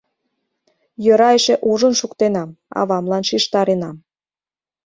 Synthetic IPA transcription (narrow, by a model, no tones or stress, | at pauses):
jə̆ɾɑeʃeʔuʒənʃukt̪enɑmɑ̰βɑmlɑnʃiʃt̪ɑɾenɑm